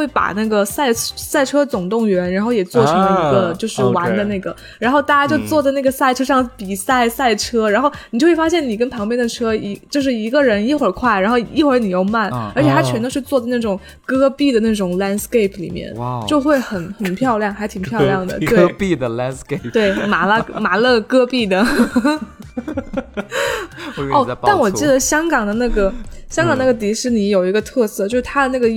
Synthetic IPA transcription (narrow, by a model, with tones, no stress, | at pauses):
we˥˩ɪpa̰˨˩na˥˩ɡə˩sa˥˩ɪsa˥˩ɪʈ͡ʂʰɤ˥t͡sʊ˨˩ŋt̪ʊ˥˩ŋɥɛ˧˥nɻa˧˥nxo˥˩ʊjɛ˨˩t͡swɔ˥˩ʈ͡ʂʰŋɤ˧˥ləii˧˥ɡə˧t͡ɕjo˥˧ʊʂɻ̩˥˩wa˧˥nd̪ə˧na˥˩ɡə˩ | ɻa˧˥nxo˥˧ʊt̪a˥˩t͡ɕja˥t͡ɕjo˥˧ʊt͡swɔ˥˩d͡za˧ɪna˥˩ɡə˩sa˥˩ɪʈ͡ʂʰɤ˥ʂɑ˥˧˩ŋpi˨˩sa˥˩ɪsa˥˩ɪʈ͡ʂʰɤ˥ɻa˧˥nxo˥˩ʊni˨˩t͡ɕo˥˧xwe˥˩fa˥ɕjɛ˥˩ni˨˩kə˥npʰɑ˧˥ŋpjɛ˥nd̪ə˨ʈ͡ʂʰɤ˥i˧˥t͡ɕjo˥˧ʊʂ̬ɻ̩˥˩i˧˥ɡə˧ɻə˧˥ni˥xwə˞˨˩kʰwa˥˩ɪɻa˧˥nxo˥˧ʊi˥xwə˞˧˥ni˨˩jo˥˧ʊma˥˩nə˞˧˥t͡ɕʰjɛ˨˩t̪ʰa˥t͡ɕʰɥɛ˧˥nə˧ʂɻ̩˥˧t͡swɔ˥˩d͡za˧ɪna˥˩ʈ͡ʂʊ˨˩ŋ | kɤ˥pi˥˩d̪ə˩na˥˩ʈ͡ʂʊ˨˩ŋla˥nske˥˩ɪpʰlḭ˨˩mjɛ̰˥˧nt͡ɕjo˥˧ʊxwe˥˩ɪxə˨˩nxə˨˩npʰjɑ˥˧ʊljɑ˥˩ŋxa˧˥ɪt̪ʰi˨˩ŋpʰjɑ˥˧ʊljɑ˥˩ŋd̪ə̰˩we˥pi˧d̪ə˩lnske˥˩t̪we˥˩ɪma˧˥lə˧ma˨˧˥lɤ˥˩kɤ˥pi˥˩d̪ə˩ | ɔ˥˩t̪a˥˩nwɔ˨˩t͡ɕi˥˩d̪ə˩ɕjɑ˥ŋkɑ˨˩ŋd̪ə˦na˥˩ɡə˩ɕjɑ˥ŋkɑ˨˩ŋna˥˩ɡə˩t̪̬i˧˥ʂɻ̩˥˩ni˧˥jo˨˩ʊi˧˥ɡə˧t̪ʰɤ˥˧sɤ˥˩t͡ɕjo˥˧ʊʂ̩ɻ̩˥˩t̪ʰa˥d̪ə˧na˥˩ɡə˩